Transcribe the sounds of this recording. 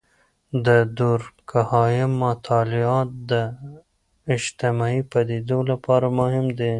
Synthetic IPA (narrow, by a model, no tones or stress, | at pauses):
d̪əd̪oɾkʰahɑjɪmːat̪ʰɑlɪɑt̪̚d̪ə | ɪd͡ʒt̪ɪmɑipad̪ed̪olapɑɾamʊhɪmd̪e